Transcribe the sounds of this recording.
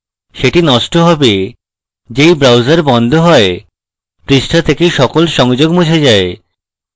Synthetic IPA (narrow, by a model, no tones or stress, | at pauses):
ʃeʈinɔʃʈoɦɔbe | d͡ʑejbɾawzaɾbɔnd̪ʱoɦɔe | pɾiʃʈʰat̪ʰekejʃɔkolʃɔŋd͡ʑoɡmut͡ɕʰed͡ʑae